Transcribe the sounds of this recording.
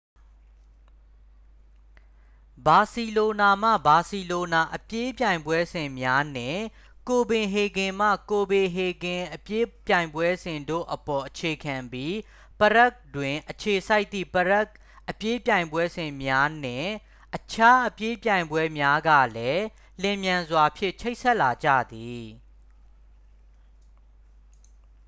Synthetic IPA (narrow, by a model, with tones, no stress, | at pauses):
ba˨si˨lo˨na˨m̥ä̰˦˨ba˨si˨lo˨na˨ʔəpje˦pjã˨ɪ̃mbwɛ˦zɪ̃˨mja˦n̥ɪ̰̃˦˨ | ko˨bɪ̃˨ɦe˨ɡɪ̃˨m̥ä̰˦˨ko˨bɪ̃˨ɦe˨ɡɪ̃˨ʔəpje˦pjã˨ɪ̃mbwɛ˦z̥ɪ̃˨ndo̰˦˨ʔəpɔ˨ʔət͡ɕʰe˨kʰã˨mbji˦ | pəɹɛ˦k̚twɪ̃˨ʔət͡ɕʰe˨sa˦ɪt̪ːḭ˦˨pəɹɛ˦k | ʔəpje˦pjã˨ɪ̃mbwɛ˦zɪ̃˨mja˦n̥ɪ̰̃˦˨ | ʔət͡ɕʰa˦ʔəpje˦pjã˨ɪ̃mbwɛ˦mja˦ɡä̰˦˨lɛ˦ | lɪ̃˨mjã˨nzwa˨pʰjɪ̰̃˦˨t͡ɕʰe˦ɪʔsʰɛ˦ʔla˨d͡ʑa̰˦˨d̪i˨